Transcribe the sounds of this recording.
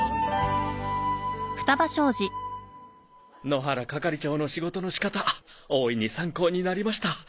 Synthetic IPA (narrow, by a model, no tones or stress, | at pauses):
ɸɯ̟̥t̪abaɕo̞ːd͡ʑi | no̞ɦaɾakakaɾʲit͡ɕo̞ːnoɕiɡo̞t̪o̞no̞ɕi̥kat̪a | oːiɲ̟isãŋko̞ːɲ̟inaɾʲimaɕi̥t̪a